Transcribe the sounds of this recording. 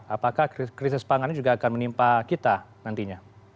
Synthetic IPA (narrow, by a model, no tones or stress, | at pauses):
apakahkkɾis̬ɪspaŋand͡ʒuɡaːkanmənimpakit̪anant̪iɲa